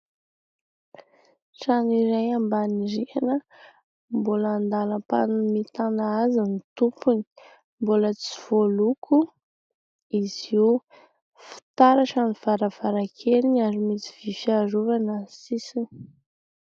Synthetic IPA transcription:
ʈ͡ʂanuiɾajambaniɾianə | mbulaːnd̪aləpa̰numit̪anaazinit̪upuni̥ | mbulət͡si̥v̥olukʰu | iz̥iu | fi̥t̪aɾaʈ͡ʂaniv̥aɾəv̥aɾakʰeɾinazimit͡si̥v̥ifaruvanəsisini

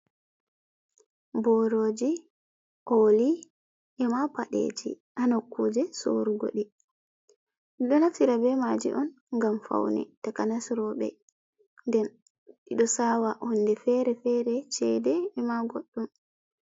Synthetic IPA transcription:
bɔɾoːd͡ʒi | ʔoli | ʔɛmapaɗḛd͡ʒḭ | ʔanokːud͡ʒɛso̰ɾuɡo̰ɗi | ɗiɗɔnatiɾabɛmad͡ʒḭʔɔn | ŋɡamfa̰wnɛ̰takanasɾɔbɛ̰ | ndɛn | ɗiɗɔsawaʔɔnːdɛfɛɾɛfɛɾɛt͡ʃɛdɛːmaɡoɗːum

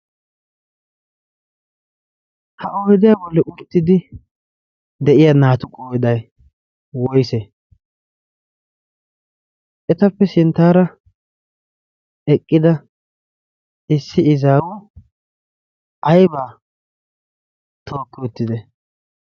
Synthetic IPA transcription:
hɐʔoːjd̪ɪjaːbɔlːɛʔʊt̪ːɪd̪ɪ | d̪ɛʔɪjanaːt̪ʊkʼoːjd̪ɐj | wɔjse | ʔɛt̪ɐpːɛsɪnt̪ːaːɾɐ | ɛkʼːɪd̪ɐ | ɪsːɪɪzaːwʊ | ʔɐjbaː | t̪ʰo̞ːkːɪʊt̪ːɪd̪ɛ

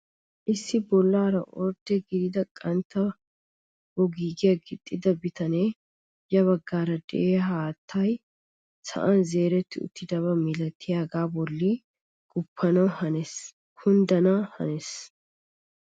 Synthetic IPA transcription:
ʔɪsːɪbɔlːaːɾɐʔɔɾd̪ɛɡɪd̪ɪd̪ɐkʼɐnt̪ːɐ | wɔɡiːɡɪjɐɡɪt̪ʼːɪd̪ɐbɪt̪ɐneː | jɐβɐɡːaːɾɐd̪ɛ̰ʔeːɦaːt̪ʰːɐj | sɐ̰ʔɐnze̞ːɾɛt̪ːɪʊ̰t̪ːɪd̪ɐβɐmɪlɐt̪ʰːɪjaːɡaːbɔlːi | ɡ̥ʊpʰːɐnɐwhɐnɛs | kʰʊnd̪ɐnɐhɐ̰nɛs

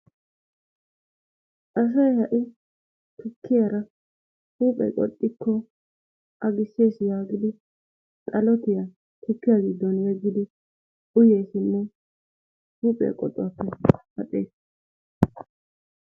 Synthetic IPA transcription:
ʔɐs̬ɐjhɐʔɪ | t̪ʰʊkʰːɪjɐɾɐ | huːpʼɛ̰jkʼɔ̰t̪ʼːɪkːɔ | ʔɐɡɪsːeːsɪjaːɡɪd̪ɪ | t̪ʼɐlɔt̪ɪjɐ | t̪ʊkːɪjaɡɪd̪ːɔnjɛɡːɪd̪ɪ | ʊjeːsɪmːɔ | huːpʼɛ̰kʼɔ̰t̪ʼːʊwɐpːɛhɐt̪ʼeːs

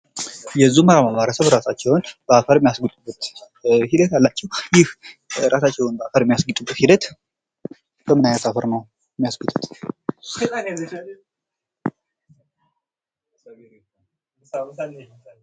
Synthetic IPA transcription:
jɛzːuməɾamaβaɾəsəβɾasat͡ʃːɛwnb̥əafəɾmijasɡɨt̪ʼubːət̪ | hid̪ət̪jalːat͡ʃːɛwjɪhɾʔasat͡ʃːɛwunbəafəɾɛmːijasɡɨt̪ʼubːət̪hid̪ət̪ | kʰəmɨnajnat̪afəɾnəw | mːijasɡɨt̪ʼɨt̪ʼ

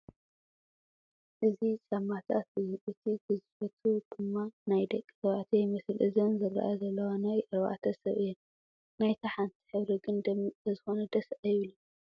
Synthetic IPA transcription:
ʔɨzisʼɐmat̪ʰa̰t̪uɨt̪ʰiɡɨzɨfɐt̪ʰud̪̥ɨmːanajd̪ɐkʼːi̥sɐβat̪ʰɐjmɐsɨlʔɨzɐnzɨɾːa̰ʔa̰jɐzɐlːɐwanajʔɨɾβa̰ʔt̪ʰɐsɐβɨjɛn | najt̪ʰaħant̪ʰi̥ħɨβɾiɡɨnd̪ɐɐzɨxo̞nɐd̪ɐsʔɐjilu

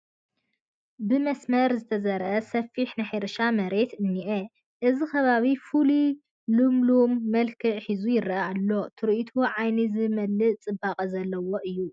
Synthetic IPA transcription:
bɨmɐsmɐɾzɨt̪ʰɐzɐɾʔɐsɐfːiħnɨħajɾʃamɐɾe̞t̪ɨnːiʔɐ | ʔɨzikʰɐβaβifuli | lɨmlumːɐlkʰɨʕħizujɪɾʔɐalːo̞t̪ʰɨɾʔit̪ʰuʕajnizɨmɐlːɨʔt͡sʼɨbaqʼɐzɐlːɐwo̞ʔɨjːu

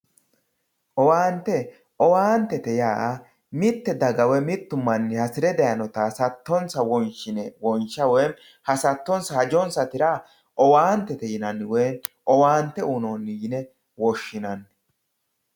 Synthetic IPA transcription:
ʔɔwaːnt̪ːɛ | ʔɔwaːnt̪ːɛt̪ɛjaːʔɐ | mɪt̪ːɛd̪ɐɡɐwɛmɪt̪ːʊmːɐnːɪhɐsɪɾɛd̪ɛjɐnɔt̪asɐt̪ːɔnsɐwɔnʃɪnɛwɔnʃɐwɛjn | hɐsɐt̪ːɔnsɐhɐd͡ʒɔnsɐt̪ɪɾa | ʔɔwaːnt̪ːɛt̪ɛjɪnɐnːɪwɛjn | ɔwaːnt̪ːɛunonːjɪnɛ | wɔʃːɪnɐnː

